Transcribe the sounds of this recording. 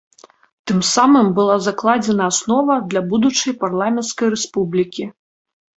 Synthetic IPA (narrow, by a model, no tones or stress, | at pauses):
t̪ɨmsamɨmbɨlˠazaklˠad͡zʲɛnɐːsnɔvɐd̪lʲabud̪ut͡ʂɐjparlˠamʲɛnt̪skɐjɾɛspublʲikʲi